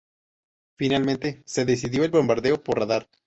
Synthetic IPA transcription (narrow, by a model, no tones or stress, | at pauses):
finalmẽnt̪e̞se̞ðes̬iðjo̞elβo̞mbaɾðe̞opoɾraðaɾ